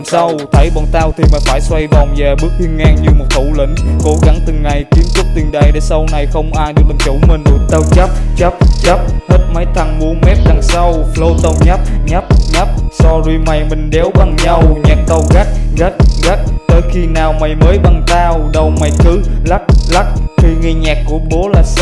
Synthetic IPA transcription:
msa˧wt̪ʰə˨˦jɓɔ̰˧˨nt̪aː˧wt̪ʰi˨˩ma˨˩faː˧˩jswa˧jɗɔ˨˩nzɛː˨˩ɓɨ˦˥ək̚t̪ʰi˧əŋaː˧ŋɲɨ˧mo˨˩t̚t̪ʰu˧˩lḭ˧˩˦ŋ̟ko˨˦ɣa˧˦ŋt̪ɨː˨˩a˨˩jki˨˦ənzɨ˦˥k̚t̪i˨˩nɗə˨˩jɗḛ˧˦sa˧wna˨˩jxə˧wŋ͡mʔaː˧jɗɨ˨˩ək̚lə˨˩t͡ɕu˧˦mə˨˩nɗṵ˨˧˩nt̪ə˧wt͡ɕa˦˥p̚t͡ɕa˦˥t͡ɕə˦˥p̚he˦˥t̚ma˨˦j̚t̪ʰa˨˩ŋmu˨˧˦əmɛ˦˥p̚za˨˩ŋsa˧wflo˧t̪ə˧wɲa˦˥p̚ɲa˦˥p̚ɲa˦˥p̚sɔ˧zi˧ma˨˩jmï˨˩ŋ̟ɗɛ˨˦wɓa˨˩ŋɲa˧wɲə˨˩t̚t̪ə˧wɣa˦˥k̚ɣa˦˥k̚ɣa˦˥k̚t̪əː˨˦jxi˧naː˨˩wma˨˩jməː˨˦jɓa˨˩ŋt̪aː˧wɗə˨˩wma˧˩˦jkɨ˨˦la˦˥p̚la˦˥k̚xi˧ŋi˧ɲaː˨˩kːu˧˩əɓo˨˦laː˨˩

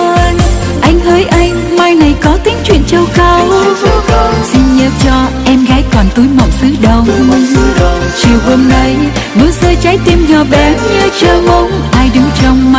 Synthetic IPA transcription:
n | ʔa˧jŋ̟həː˨˦jʔa˧jŋ̟maː˧jna˨˩jkɔ˨˦t̪ï˨˦ŋ̟t͡ɕwḭ˧˨ənt͡ɕə˧wkə˧w | si˧nɲəː˨˦t͡ɕɔ˧ʔɛ˧mɣaː˨˦jkɔ˨˩nt̪u˨˦jmɔ̰˧˨wŋ͡msɨ˨˦ɗə˨˧˩wŋ͡m | t͡ɕi˨˩əwʔə˧mna˧j | nu˨˦səː˧jt͡ɕaː˨˦jt̪i˧mɲɔ˨˩ɓɛ˨˩ɲə˧t͡ɕəː˧mə˧ŋ͡m | ʔaː˧jɗɨ˨˦ŋ͡mt͡ɕɔ˧wŋ͡mmaː˧

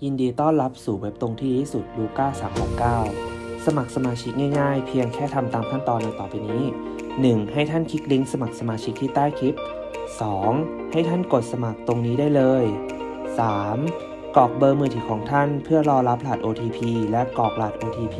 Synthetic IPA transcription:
ji˧ndiː˧t̪ɔː˥˩nla˦˥p̚suː˨˩we˦˥p̚t̪o˧ŋt̪ʰiː˥˩t̪ʰiː˥˩su˨˩t̪̚luː˧kaː˥˩saː˩˦msʰaː˨˩nkaː˥˩wsa˧ma˨˩k̚sa˧maː˧t͡ɕʰi˦˥k̚ŋaː˥˩jŋaː˥˩jpʰi˧əŋkʰɛː˥˩t̪ʰa˧mt̪aː˧mkʰa˥˩nt̪ɔː˧nːa˧jt̪ɔː˨˩pa˧jniː˦˥ | nɯ˨˩ŋha˥˩jt̪ʰa˥˩nkʰi˦˥k̚li˦˥ŋsa˧ma˨˩k̚sa˧maː˧t͡ɕʰi˦˥k̚t̪ʰiː˥˩t̪aː˥˩jkʰi˦˥p̚ | sɔː˩˦ŋ | ha˥˩jt̪ʰa˥˩nko˨˩t̪̚sa˧ma˨˩k̚t̪o˧ŋniː˦˥daː˥˩jlɤː˧j | saː˩˦m | kɔː˨˩k̚bɤː˧mɯː˧t̪ʰiː˩˦kʰɔː˩˦ŋt̪ʰa˥˩npʰɯ˥˩ɐlɔː˧la˦˥p̚laː˨˩t̪̚ʔoː˧t̪ʰiː˧pʰiː˧lɛ˦˥kɔː˨˩k̚laː˨˩t̪̚ʔoː˧t̪ʰiː˧pʰiː˧

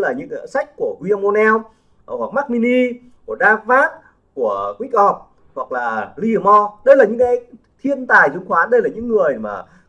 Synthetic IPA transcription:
laː˨˩ɲɨ̰˧˥ŋ˧sa˦˥jk̟̚ku˧˩əɣwi˧mo˧nɛ˧w | hwa˨˩k̚maː˦˥k̚mi˧ni˧ | ku˧˩əɗaː˧vaː˦˥t̚ | ku˧˩əkwi˦˥k̚ʔɔ˨˩p̚ | hwa˨˩k̚laː˨˩li˧˨˩mɔ˧ɗə˧jlaː˨˩ɲɨ̰˧˥ŋkaː˨˦j | t̪ʰi˧ənt̪aː˨˩jzʊ˧˦ŋ͡mxwaː˨˦ɗə˧jlaː˨˩ɲɨ̰˧˥ŋːɨ˨˩əjma̰ː˨˩

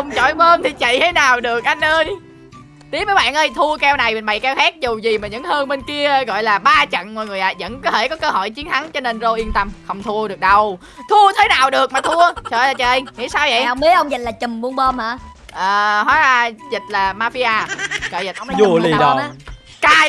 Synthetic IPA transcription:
ə˧wŋ͡mt͡ɕɔ̰˧˨˦jməː˧mt̪ʰi˨˩t͡ɕə̰˧˨jt̪ʰe˨˦naː˨˩wɗɨ˨˩ək̚ʔa˧jŋ̟ʔəː˧j | t̪i˨˦˥əmvəː˨˦jɓa̰ː˧˨nʔəː˧jt̪ʰu˧əkɛ˧wna˨˩jm˨˩nɓa̰˨˩jkɛ˧wxɛː˦˥k̚zu˨˩zi˨˩maː˨˩ɲɨ̰˧˥ŋhəː˧nɓe˧nki˧əɣɔ̰˧˨jlaː˨˩ɓaː˧t͡ɕə̰˧˨nmɔ˧˨˩ŋɨ˨˩əjʔa̰ː˨˩zə̰˧˥nkɔ˨˦t̪ʰe˧˩kɔ˨˦kəː˧hɔ̰˧˨jt͡ɕi˨˦ənt̪ʰa˨˦ŋt͡ɕɔ˧ne˧nzo˧ʔi˧ənt̪ə˧mxə˧wŋ͡mt̪ʰu˧əɗɨ˨˩ək̚ɗə˧w | t̪ʰu˧ət̪ʰeː˨˦naː˨˩wɗɨ˨˩ək̚maː˨˩t̪ʰu˧ət͡ɕɔ̰˧˨˩jlaː˨˩t͡ɕəː˨˩ʔə˧jŋḭ˧˥saː˧wvə̰˧˨jwŋ͡mɓi˨˦əʔə˧wŋ͡mzi˨˩t̚laː˨˩t͡ɕɨ˨˩mɓu˧əŋɓəː˧mʔaː˧˩ʔəː˨˩ɦɔ˨˦aː˧zi˨˩t̚laː˨˩maː˧fi˧ʔaː˧kɔ̰ː˧˨jzi˨˩ʔzu˨˩li˨˩˨ɗɔ˨˧˨ | kaː˧

